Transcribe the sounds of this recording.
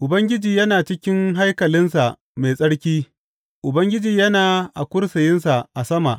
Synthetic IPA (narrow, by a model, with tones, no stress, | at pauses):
ʔʊ˨bɐ˦ŋɡʲɪ˦d͡ʒiː˨jɐ˦naː˨t͡ʃɪ˦kʲɪ˦ŋɦa˦jkɐ˨lɪ˦nsa˨ʔ | meː˨sʼɐ˦ɽkʲiː˦ | ʔʊ˨bɐ˦ŋɡʲɪ˦d͡ʒiː˨jɐ˦naː˨ʔa̰˨kʷʊ˦ɽsɐ˨jɪ˦nsa˨ʔa˨sɐ˦ma̰˨ʔ